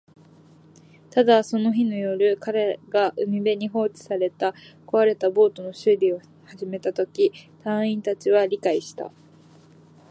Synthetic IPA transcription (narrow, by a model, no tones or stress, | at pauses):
t̪ad̪aso̞no̞çinojo̞ɾɯ̟kaɾe̞ɡaʔɯmʲibe̞ɲ̟iɦo̞ːt͡ɕi̥saɾe̞t̪ako̞βaɾe̞t̪abo̞ːt̪o̞no̞ɕɨɾʲio̞ | haʑime̞t̪at̪o̞kʲit̪ãɰ̃ĩnt̪at͡ɕiβ̞aɾʲikaiɕi̥t̪a̰